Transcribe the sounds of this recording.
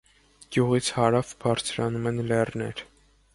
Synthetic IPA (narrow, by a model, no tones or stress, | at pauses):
ɡ̥juʁit͡sʰhɑɾɑvbʰɑɾt͡sʰɾɑnumɛnlɛrnɛ̰ɾ